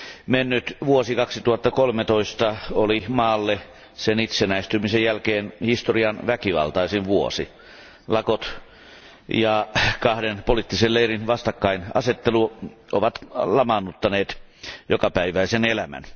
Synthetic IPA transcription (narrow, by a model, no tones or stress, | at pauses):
menːyt̪ʋuosikɑksit̪uhɑt̪ːɑkolmet̪oist̪ɑolimɑːlːe | senit̪senæist̪ymisejjælkeːnhist̪oriɑnʋækiʋɑ̰lt̪ɑisiʋʋuo̰sḭ | lɑkot̪ | jɑkɑhdenpolit̪ːiselleirinʋɑst̪ɑkːɑinɑ̰set̪ːeluʔo̰ʋɑt̪lɑmɑnːut̪ːɑneːt̪ | jokɑpæiʋæisenelæmæ̰n